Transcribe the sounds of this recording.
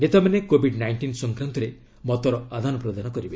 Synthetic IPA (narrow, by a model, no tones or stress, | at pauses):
net̪amanekobʱiɖnajɳʈinsɔŋkɾant̪ɔɾe | mɔt̪ɔɾɔad̪ʱanɔpɾɔd̪anɔkɔɾibe